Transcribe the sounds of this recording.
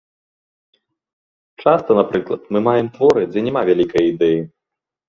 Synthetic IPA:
t͡ʂast̪ɐnapɾɨklˠɐt̪mɨmajɛmt̪vɔɾɨd͡zʲɛnʲɛmavʲalʲikɐjɐid̪ɛji

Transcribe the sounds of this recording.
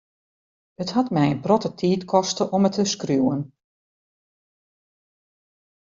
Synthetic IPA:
əthɑtmɛjənprɔtətʰiːtkʰɔstəʔɔmətʰəskruwən

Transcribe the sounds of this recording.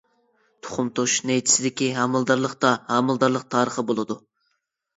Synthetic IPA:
t̪ʰʊ̥χʊmt̪ʰoʃnɛjt̪ʰɪ̥sɪd̪ɪkʲiɦɑmɨlˠd̪ɑɾlˠəχt̪ɑhɑmɨlˠd̪ɑɾlˠəq̚t̪ʰɑːɾəχəbolˠɨd̪u

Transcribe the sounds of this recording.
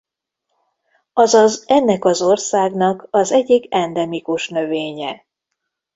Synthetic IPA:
ɒzɒzɛnːɛkɒzo̞rsaːɡnɒkɒzɛɟːiɡɛnd̪ɛmikuʃnø̞veːɲɛ

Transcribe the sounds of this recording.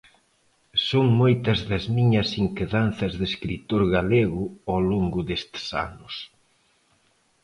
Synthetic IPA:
soŋmojt̪ɐzðɐzmiɲɐsiŋkeðanθɐzðeskɾit̪oɾɣaleɣʊawloŋɡʊðest̪sa̰nʊs

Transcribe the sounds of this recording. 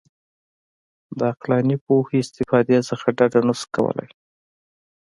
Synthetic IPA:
d̪əaqlɑnipoheɪst̪ɪfɑd̪esəxaɖaɖanəskawə̰lʔa̰j

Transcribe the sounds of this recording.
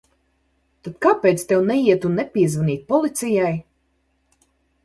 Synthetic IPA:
t̪at̪kaːpejt̪st̪ʲɛwnɛiɛt̪unːɛpʲiɛzvaniːt̪̚ʲpɔlˠit̪sijaj

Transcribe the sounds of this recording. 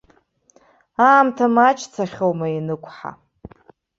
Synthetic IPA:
aːmtʰamat͡ʃʰʼt͡sʰaχʲowmainɨkʷʰħa̰

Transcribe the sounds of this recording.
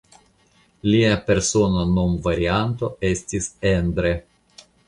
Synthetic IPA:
liape̞ɾso̞nonomvaɾiant̪o̞e̞stisend̪ɾe

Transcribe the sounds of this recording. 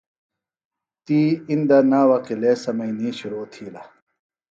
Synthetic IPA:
t̪iːind̪ɐnaːwɐqilesɐmɐiniːɕuɾoːt̪ʰiːlɐ

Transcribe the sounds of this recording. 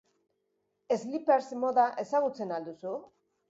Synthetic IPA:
e̞zlipeɾsmo̞ðaʔe̞saɣ̞ut͡se̞nald̪usu

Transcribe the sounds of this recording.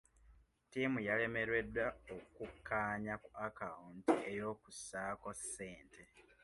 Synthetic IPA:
tiːmujale̞me̞ɾwe̞dwaokukʰːaːɲakuakauntie̞jo̞ːkusaːko̞sːeːntʰe̞

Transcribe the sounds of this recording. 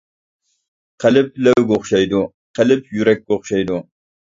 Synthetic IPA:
qɐlɨp̚lɐwɡʷʊχʷʊ̥ʃɐjd̪u | qɐlɨp̚ʰjuɾɐk̚ɡʷoχʷʊ̥ʃɐjd̪u

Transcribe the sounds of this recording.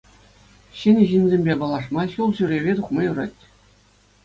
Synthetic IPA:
ɕɘ̆nʲɘʑinʲzʲemʲbʲebɑlˠɑʂmɑɕulˠʑyɾʲeʋʲet̪uχmɑjuɾɑtʲ

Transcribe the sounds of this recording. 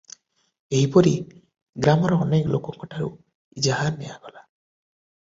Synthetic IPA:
eɦipɔɾi | ɡɾamɔɾɔɔneklokɔkʰɔʈʰaɾu | id͡ʒaɦanɛjaɡɔla

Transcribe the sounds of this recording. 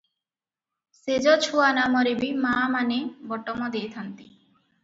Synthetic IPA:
sed͡ʑɔt͡ɕʰuanamɔɾebimamanebɔʈːɔmɔd̪ejt̪ʰant̪i

